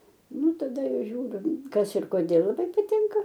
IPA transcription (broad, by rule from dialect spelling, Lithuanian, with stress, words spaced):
ˈnʊ tɐˈdɐ ˈʒʲuːrʲʊ ˈkɐs ɪr koːˈdʲeːlˠ lˠɐˈbɐɪ pɐˈtʲɪŋkɐ